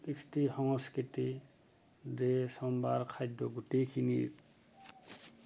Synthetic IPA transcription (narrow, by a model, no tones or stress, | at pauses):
istihɔŋɔskiti | desɔmbaɾkʰajdɔɡutekʰinḭɾ